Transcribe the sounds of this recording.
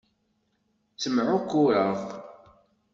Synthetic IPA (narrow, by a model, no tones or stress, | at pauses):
t͡sːəmʕʊkːʊɾəʁ